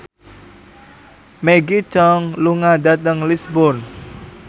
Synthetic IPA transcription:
meɡit͡ʃɔŋluŋadat̪əŋlisbʊrn

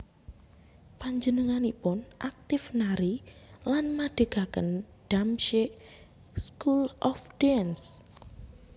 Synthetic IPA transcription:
paɲd͡ʒənəŋanipʊnʔak̚t̪ɪfnaɾilanmaɖ̥ə̤ɡ̥akə̰n | ɖ̥amʃeʔ | skulʔɔfd̥ɛns

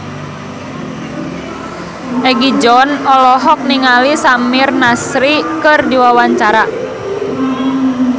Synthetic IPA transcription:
ʔɛɡid͡ʒɔnɔlɔɦɔk̚niŋalisamirnasɾikɨrdiwawaɲt͡ʃaɾa

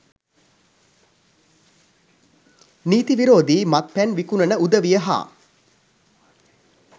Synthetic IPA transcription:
niːt̪iʋiɾoːd̪iːmat̪̚pænʋikunənəud̪əʋijəɦa̰ː

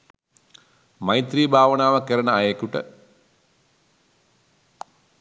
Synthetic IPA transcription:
majt̪riːbʱaːʋənaːʋəkəɾənəajekuʈə̰

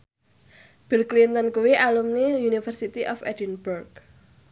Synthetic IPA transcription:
b̥ilklint̪ənkuwiʔalumnijunifərsit̪iʔɔfɛ̰dinburk

